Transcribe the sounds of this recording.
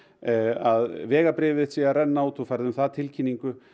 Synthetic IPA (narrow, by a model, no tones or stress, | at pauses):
aðvɛːɣapɾɪːvɪðsiɣarɛnːaut̪ʰufajɾðʏmθaðt̪ʰɪlcʰinːiŋkʏ